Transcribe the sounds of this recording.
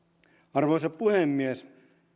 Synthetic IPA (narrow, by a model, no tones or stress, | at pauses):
ɑrʋoisɑppuhemːies